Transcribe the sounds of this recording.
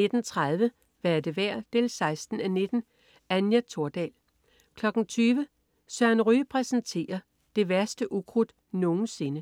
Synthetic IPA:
e̝d̥n̩t͡sʰʁað̞ˠʋə | ʋæɐd̥e̝ʋæɐ̰d̥eːlsɑ̈ɪsd̥n̩æne̝d̥n̩ | ænjæt͡sʰo̝ɐd̥ɛ̰ːl | kʰlɒ̽ɡ̥n̩t͡sʰyːʋə | sɶɐ̰nʁypʰʁɛsnt͡sʰe̝̰ːɐ | d̥e̝ʋæɐsd̥əʔukʰʁud̥ | no̝ːn̩se̝nə

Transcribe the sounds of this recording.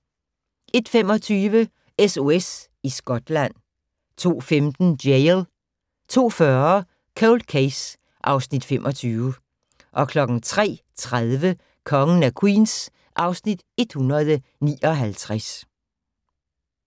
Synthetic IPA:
ʔe̝d̥fem̰ɒ̽t͡sʰyːʋə | eso̝es | isɡ̥ɒ̽d̥læn̰ | t͡sʰo̝̰ːfemd̥n̩delˠ | t͡sʰo̝̰ːfɶːɐɐ | kʰoʊl̥kʰeɪs | ʔɑ̈ʊsnid̥femʔɒ̽t͡sʰyːʊə | ʔɒ̽kʰlɒ̽ɡ̥ŋ̩t͡sʰʁɛ̰ːt͡sʰʁaðˠʋə | kʰɒ̽ŋən̩ækʰwḭːns | ʔɑ̈ʊsnid̥e̝d̥hunʁɐð̩ˠənḭːɒ̽ɦælt͡sʰʁas

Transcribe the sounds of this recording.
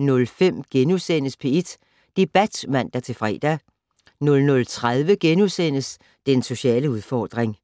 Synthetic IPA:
nɔ̽lfem̰ɡ̥enusen̰əspʰee̝d̥ | d̥e̝b̥æd̥mæn̰d̥æt͡sʰe̝fʁɛ̰ːd̥æ | nɔ̽lnɔ̽lt͡sʰʁað̞ˠʋəɡ̥enusen̰əs | d̥enso̝ɕɛ̰ːləuð̞ˠfɒːd̥ʁeŋ

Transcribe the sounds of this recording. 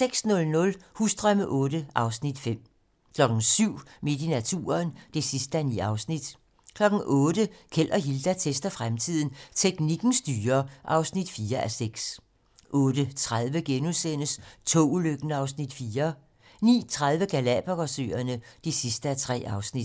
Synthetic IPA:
seɡ̥snɔ̽lnɔ̽lhusd̥ʁɶməʔɔ̽ːdəʔɑ̈ʊsnid̥fem̰ | kʰlɒ̽ɡ̥n̩syʊ̰me̝d̥inæt͡sʰṵːɐnd̥e̝sisd̥əænḭːɑ̈ʊsnid̥ | kʰlɒ̽ɡ̥n̩ʔɔ̽ːd̥əkʰel̰ʔɐɦild̥æt͡sʰesd̥ɐfʁamt͡sʰið̞̰ˠn̩t͡sʰeɡ̥niɡ̥n̩sd̥yːɐʔɑ̈ʊsnid̥fiːɐʔæseɡ̥s | ʔɔ̽ːd̥ət͡sʰʁað̞ˠʋəɡ̥enusen̰əst͡sʰo̰ːuløɡ̥ənəɑ̈ʊsnid̥fiːɐ | nḭːt͡sʰʁað̞ˠʋəɡ̥ælæb̥ɐɡ̥ɒsø̰ːɐnəd̥esisd̥əæt͡sʰʁɛ̰ːɑ̈ʊsnid̥

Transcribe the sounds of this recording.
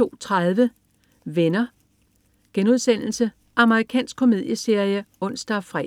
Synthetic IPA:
o̝̰ːt͡sʰʁaðˠʋə | ʋenɐ | ɡ̥enuð̞ˠsen̰l̩sə | ʔɑ̈məʁikʰɛ̰ːnsɡ̥̚kʰo̝me̝ð̞ˠjəse̝ɐ̰ijəɔ̽n̰sd̥ɐfʁɛ̰

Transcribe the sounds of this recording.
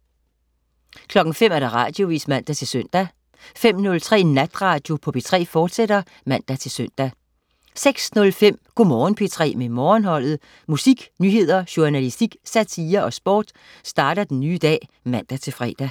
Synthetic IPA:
kʰlɒ̽ɡ̥n̩fem̰æɐd̥ɑ̈ʁɑ̈d̥jo̝ʋḭːsmæn̰d̥æt͡sʰe̝lsøn̰d̥æ | fem̰nɔ̽lt͡sʰʁɛ̰ːnæd̥ʁɑ̈d̥jo̝pʰɒ̽b̥e̝t͡sʰʁɛ̰ːfɒːd̥seɾ̥ɐ | mæn̰d̥æt͡sʰe̝lsøn̰d̥æ | seɡ̥snɔ̽lfem̰ɡ̥o̝mɒːnpʰe̝t͡sʰʁɛ̰ːmemɒːnhɒ̽l̰ð̩ˠ | musiɡ̥nyːɦe̝ð̞̰ˠɐɕuænælisd̥iɡ̥sæt͡sʰiːɐʔɒ̽sb̥ɒ̰ːd̥ | sd̥ɑ̈ːɾ̥ɐd̥enːyːd̥ɛ̰ːmæn̰d̥æt͡sʰe̝lfʁɛ̰ːd̥æ

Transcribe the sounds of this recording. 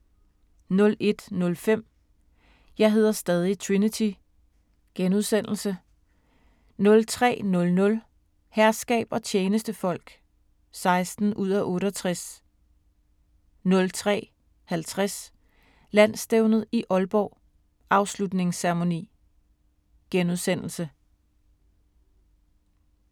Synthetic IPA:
nɔ̽le̝d̥nɔ̽lfem̰ | jɑ̈ɪɦe̝ð̞̰ˠɐsd̥ɛð̞ˠit͡sʰʁinit͡sʰi | ɡ̥enuð̞ˠsen̰l̩sə | nɔ̽lt͡sʰʁɛ̰ːnɔ̽lnɔ̽l | hæɐsɡ̥ɛ̰ːb̥ɒ̽t͡ɕʰeːnəsd̥əfɒ̽l̰ɡ̥ | sɑ̈ɪsd̥n̩ʔuð̞̰ˠæʔɔ̽ːɾəɒt͡sʰʁas | nɔ̽lt͡sʰʁɛ̰ː | hælt͡sʰʁas | læn̰sd̥eʊnð̞̩ˠiʔɒ̽lb̥ɒʊ | ʔɑ̈ʊslud̥ne̝ŋsæɐʁmo̝nḭː | ɡ̥enuð̞ˠsen̰l̩sə

